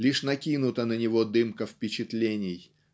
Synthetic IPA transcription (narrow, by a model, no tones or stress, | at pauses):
lʲiʂnɐkʲinʊt̪ənənʲɪvod̪ɨmkəfpʲɪt͡ɕɪt̪lʲenʲɪj